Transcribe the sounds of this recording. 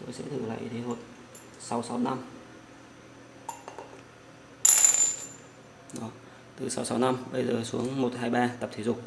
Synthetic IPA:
t̪o˨˦jsɛ̰˧˥t̪ʰɨ̰˧˩la̰ː˧˨jt̪ʰe˨˦ho˨˩t̚ | sa˨˦wsa˨˦wna˧m | ɗɔ˨˦ | t̪ɨ˨˩sa˨˦wsa˨˦wna˧mɓə˧jzəː˨˩su˨˦əŋmo˨˩t̚haː˧jɓaː˧t̪ə˨˩p̚t̪ʰi˨˦zʊ˨˩k͡p̚

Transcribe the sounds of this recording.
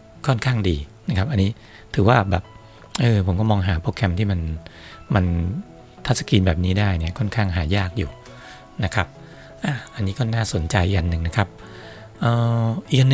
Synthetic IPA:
kʰɔ˥˩nkʰaː˥˩ŋdiː˧na˦˥kʰa˦˥p̚ʔa˧nːiː˦˥ | t̪ʰɯː˩˦waː˥˩bɛ̰ː˨˩p̚ | ʔɤː˧pʰo˩˦kɔː˥˩mɔː˧ŋɦaː˩˦pʰoː˦˥˩kʰɛ˧mt̪ʰiː˥˩ma˧nma˧n | t̪ʰa˦˥sa˧kiː˧nbɛː˨˩p̚niː˦˥daː˥˩jni˥˩ɐkʰɔ˥˩nkʰaː˥˩ŋɦaː˩˦jaː˥˩k̚juː˨˩ | na˦˥kʰa˦˥p̚ | ʔaː˧˩ʔa˧nːiː˦˥kɔː˥˩naː˥˩so˨˩˦nt͡ɕa˧jʔi˨˩k̚ʔa˧nːɯ˨˩ŋna˦˥˩kʰa˦˥p̚ | ʔɤː˧˩ʔi˨˩k̚ʔa˧n˧

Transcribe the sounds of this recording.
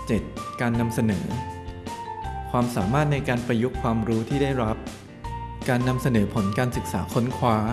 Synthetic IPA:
t͡ɕe˨˩t̪̚kaː˧nːa˧msa˧nɤ̰ː˩˦ | kʰwaː˧msaː˩˦maː˥˩t̪̚na˧jkaː˧npɾa˧ju˦˥kʰwaː˧mɾuː˦˥t̪ʰiː˥˩da˥˩jɾa˦˥p̚ | kaː˧nːa˧msa˧nɤː˩˦pʰo˩˦nkaː˧nsɯ˨˩k̚saː˩˦kʰo˦˥nkʰwaː˦˥

